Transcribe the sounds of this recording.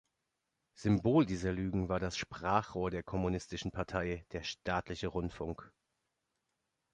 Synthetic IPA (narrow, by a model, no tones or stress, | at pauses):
z̥ʏmboːldiːzɐlyːɡŋ̩vaːɐdasʃpʁ̥aːχʁ̥oːɐdeːɐkʰɔmunɪstɪʃn̩pʰaɐtʰaɪd̥eːɐʃtaːtlɪçəʁʊntfʊŋk